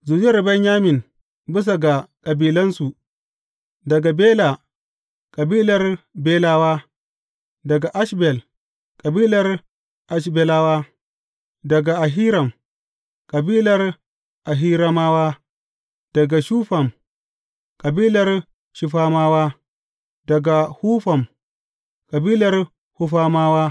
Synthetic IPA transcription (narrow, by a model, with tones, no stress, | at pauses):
zu˨d͡ʒrbɐ˦ɲjaː˦mɪ˨n | bɪ˦s̬a˨ɡa˨kʼɐ˨biː˦lɐ˦nsu˨ | dɐ˨ɡa˨beː˦la˨ | kʼɐ˨biː˦lɐ˨rbeː˦laː˦waː˦ | dɐ˨ɡa˨ʔa˦ʃbɛ˨l | kʼɐ˨biː˦lɐ˨˦r | ʔa˨ʃ̬bɛ˦laː˦waː˦ | dɐ˨ɡa˨a˨ɦi˦ɾa˨m | kʼa˨biː˦la˦ɾ | a˨ɦi˦ɾa˦ma˦wa˦ | d̥a˨ɡa˨ʃu˦ɸa˨m | kʼa˨bi˦la˦ɾ | ʃi˨ɸa˦ma˦wa˦ | da˨ɡa˨hu˦ɸa˨m | kʼa˨bi˦la˦ɾ | hu˦ɸa˦ma˦wa˦